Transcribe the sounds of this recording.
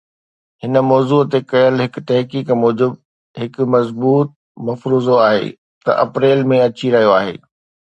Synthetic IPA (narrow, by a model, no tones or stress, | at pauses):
hɪnə̆mɔːzuːt̪ekɐjəlɦɪkt̪ɐɦkiːkmɔːd͡ʑɪb | ɦɪkʊ̆mɐzbuːt̪̚ | mɐfɾuːzoaːɦḛː | t̪ɐ̰ʔɐpɾeːlmẽɐt͡ɕiɾɐɦijoaːɦḛː